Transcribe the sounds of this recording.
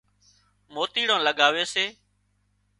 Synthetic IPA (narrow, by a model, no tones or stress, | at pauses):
moːt̪iːɽãːləɠaːʋeːseː